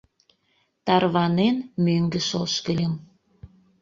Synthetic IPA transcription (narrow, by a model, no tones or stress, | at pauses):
t̪ɑrβɑnenmøŋɡə̆ʃolʃkə̆lʲə̆m